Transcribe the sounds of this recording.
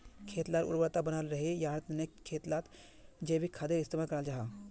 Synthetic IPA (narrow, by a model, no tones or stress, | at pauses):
kʰeːt̪laːɾʊ̰ɾbəɾt̪abənaːlɾəɦejaɾt̪nekʰːeːt̪lat̪ | d͡ʒebʱikʰad̪eɪst̪imakəɾald͡ʒaɦa